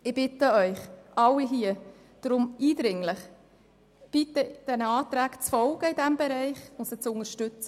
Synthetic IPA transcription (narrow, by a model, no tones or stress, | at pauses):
ɪb̥ɪt̪əœʏχʔɑlːiɦiə | d̪̥ɾʊmiːd̪ɾɪŋlɪχ | b̥it̪əd̥ɛnəɑːt̪ɾæːkt͡sfɔlɡəɪdæmbɛɾɛɪχʊntsət͡sʊŋəɾʃtʏt͡sə